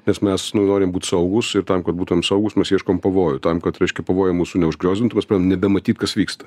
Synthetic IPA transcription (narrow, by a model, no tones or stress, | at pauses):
nʲɛsmʲɛsnʊnoːɾʲɪmbuːt̪ʲsɐʊɡʊsɪɾt̪ɐmkɐt̪̚buːt̪ʊʋʲɛmsɐʊɡʊsmʲɛsjiɛʃkoːmpɐʋoːjʊt̪ɐmkɐt̪ɾʲɛɪʃʲkʲɛpɐʋoːjɛmuːsunʲɛʊʒɡɾʲoːzʲdʲɪnt̪ʊmʲɛspɾɑd̪ʲmnʲɛbʲɛmɐt̪ʲiːt̪kɐsʋʲiːkst̪ɐ̥